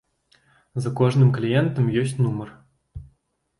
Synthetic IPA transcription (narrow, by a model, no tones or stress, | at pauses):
zăkoʐnɨmklʲijent̪ɤ̆mjøsʲtʲnumɤ̆r